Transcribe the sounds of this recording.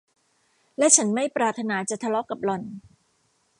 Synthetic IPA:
lɛ˦˥ʔt͡ɕʰa˦˥nma˥˩jpɾaː˨˩t̪ʰːa˧naː˩˦t͡ɕa˨˩t̪ʰa˧lɔ˦˥kːa˨˩p̚lɔ˨˩n

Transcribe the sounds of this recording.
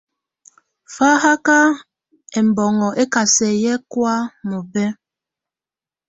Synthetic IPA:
fa˦ha˦ka˦ | ɛ˨m̩˨bɔ˨ŋɔ˨ʔe˦ka˨sɛ˨jɛ˦kwa˦mo˨bɛ˦

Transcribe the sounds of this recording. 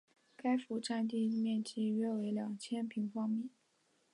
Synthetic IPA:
ka˥ɪfu˧˥ʈ͡ʂa˥˧nt̪̬i˥˧mjɛ˥˧nt͡ɕi˥˩ɥɛ˥˩we˧˥ɪljɑ˨˩ŋt͡ɕʰjɛ˥npʰi˧˥ŋfɑ˥ŋmɛ˥˩˦

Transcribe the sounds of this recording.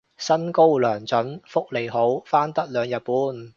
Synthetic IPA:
sɐ˥nko˥wlœː˨˩ŋt͡sɵ˨˥nfʊ˥k̚le˨˩jɦo˨˥wfaː˥nt̪ɐ˥k̚lœː˨˧ŋjɐ˨˧t̚puː˨˥n

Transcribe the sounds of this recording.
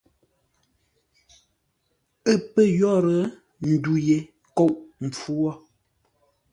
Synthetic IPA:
ə˦pə˦jɔ˦˨ɾə˨˦ | n̩˨du˨je˨ | ko˦˨wʔm̩˨p͡fu˦wɔ˦˨

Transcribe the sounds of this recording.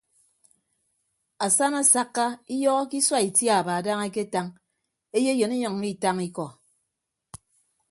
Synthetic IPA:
a˨sa˦na˨sa˦kːa˦i˦jɔ˦ɣɔ˦ki˦swa˦i˨tja˨ba˨da˦ŋe˦ke˦ta˦ŋ | e˦je˦jo˨ni˦ɲɔ˨ŋ˨˦i˦˨ta˦ŋi˦kɔ˨

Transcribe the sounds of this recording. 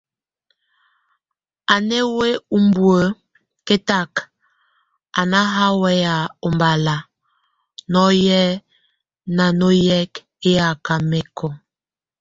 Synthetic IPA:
a˨ne˦we˦u˦m˦bwə˨ | ke˦ta˦˨k | a˨na˦ɦa˦wɛ˦ja˨o˨mba˨la˨ | nɔ˦jɛ˦ | na˨no˦jɛ˦k | e˦ja˨ka˨me˦kʰɔ˨

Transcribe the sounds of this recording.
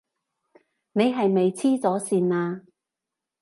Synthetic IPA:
ne˨˧jɦɐ˨jme˨jt͡sʰiː˥t͡sɔː˨˥siː˨naː˧

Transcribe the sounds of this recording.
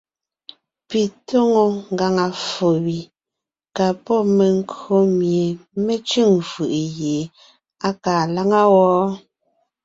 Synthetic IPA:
pi˨to˦ŋo˨ŋ˨ɡa˨ŋa˨fo˨wi˨ | ka˨pɔ˦me˨ŋ˦ko˨˦mje˨me˦t͡ʃʉ˦˨ŋfɯ˨ʔje˨ | a˦kaː˨la˦ŋa˦wɔ˦

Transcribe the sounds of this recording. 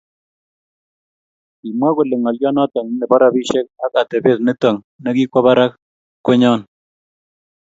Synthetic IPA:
i˨mwa˦kʊ˨lɪ˨ŋɔ˨ljɔ˦nɔ˦tɔ˨ŋ˦nɪ˨ba˦ɾa˨pi˦ʃe˦k̚a˦ka˨tɛ˨be˦˨tnɪ˦tɔ˨ŋ | nɛ˦ki˦kʷɔ˦βa˦ɾa˦k | kːʊ˦ɲɔ˦n

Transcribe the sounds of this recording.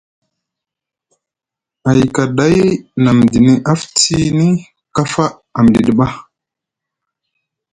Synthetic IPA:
a˨jka˨ɗa˦jna˨m˨di˨ni˨ʔa˦fti˦ni˦ | ka˦fa˦ | a˨m˨di˨ɗə˨ɓa˦

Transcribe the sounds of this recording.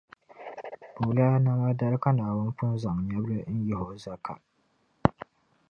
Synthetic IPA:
bo˨la˦a˦na˦ma˦da˦ɾka˦naː˨wʊ˦n˦pʊ˦nza˨ŋ˨ɲa˦blɨ˦n̩˦ji˦ho˨za˦kʰa̰˨

